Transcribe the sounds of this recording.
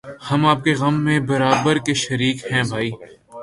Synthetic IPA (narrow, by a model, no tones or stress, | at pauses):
hɐmaːp̚keɣɐmːẽbɐɾaːbəɾkeʃɐɾiːkhɛ̃ːbʱaːiː